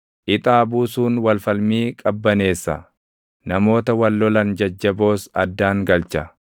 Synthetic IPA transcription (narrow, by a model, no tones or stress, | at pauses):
ʔɪt̪ʼaːbuːsuːnwɐlfɐlmiːkʼɐbːɐne̞ːsːɐ̰ | nɐmo̞ːt̪ɐwɐlːɔlɐnd͡ʒɐd͡ʒːɐbo̞ːsɐd̪ːaːŋɡɐlt͡ʃɐ